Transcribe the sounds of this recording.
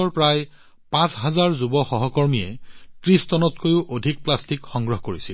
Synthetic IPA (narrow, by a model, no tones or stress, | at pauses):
ɔɹpɹaj | pãsɦazaɹzubɔxɔɦɔkɔɹmijɛtɹistɔnɔtkojʊʔodʱik̚plastikxɔŋɡɹɔɦkoɹisil